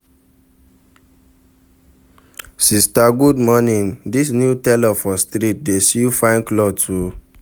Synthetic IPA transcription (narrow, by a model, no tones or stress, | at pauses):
sistaɡudmɔnĩndisnjutɛlɔfɔstɾit̚desifãɪ̃nklɔtu